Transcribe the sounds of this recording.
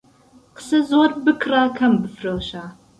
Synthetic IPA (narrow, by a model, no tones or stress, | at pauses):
qə̥sɐzwɔrbɨkʰraːkʰɐmbɨfrɐlɕaː